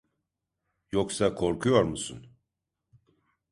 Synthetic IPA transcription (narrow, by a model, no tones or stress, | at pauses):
joksakʰo̞ɾkʰujo̞ɾmusun